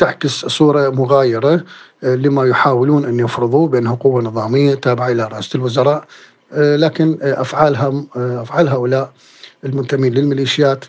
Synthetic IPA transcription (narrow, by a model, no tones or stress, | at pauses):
t̪aʕkɪssˤuːɾˤɑmʊɣaːjɪɾɑlɪmajʊħaːwɪluːnʔanːjɪfɾɨðˤubɪʔanːhʊqʊwːanɨðˤɑːmɪjːat̪aːbɪʕaʔɪlaɾˤɑʔaːslwʊzɑɾˤɑːʔ | laːkɪnʔa̰fʕaːlɦaʔafʕaːlɦaːʔʊlaːʔ | ɪlmʊnt̪amiːnlɪlmɪliːʃɪjaːt̪